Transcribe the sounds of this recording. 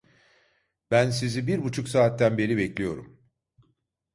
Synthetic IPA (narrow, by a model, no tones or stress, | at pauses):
b̥ænsizibiɾbut͡ʃʰuksaːt̪ːænbe̞ɾibɛclʲijo̞̰ɾṵm